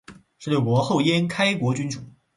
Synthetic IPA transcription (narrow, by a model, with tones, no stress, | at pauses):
ʂɻ̩˥˧we˥˩ɪkwɔ˧˥xo˥˩ʊjɛ˥nkʰa˥ɪkwɔ˧˥t͡ɕy˥nʈ͡ʂu˨˩˦